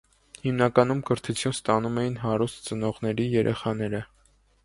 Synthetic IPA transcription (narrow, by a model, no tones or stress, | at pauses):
himnɑkɑnumkəɾt̪ʰut͡sʰjunst̪ɑnumɛjinɦɑɾust̪t͡sənɔʁnɛɾijɛɾʔɛ̰χɑnɛɾə